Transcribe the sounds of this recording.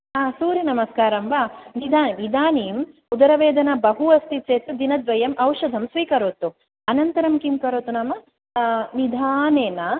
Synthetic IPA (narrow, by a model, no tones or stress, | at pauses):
ɦaːsuːɾinɐmɐskaːɾɐmʋaːnid̪ʱaːniʋid̪ʱaːniːm | ud̪ɐɾɐʋeːd̪ʱɐnɐbɐɦuɐst̪it͡ʃeːt̪ud̪inɐd̪ʋɐjɐmʔɐwʃɐd̪ʱɐmsʋiːkɐɾoːt̪u | ɐnɐnt̪ɐɾɐmkimkɐɾoːt̪unaːmɐ | nid̪ʱaːneːnɐ